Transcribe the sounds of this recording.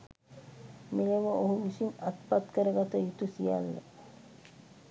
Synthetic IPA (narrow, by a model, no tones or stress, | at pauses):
mileʋooɦuʋisiŋat̪pat̪kəɾəɡat̪ɐjut̪usija̰lːḛ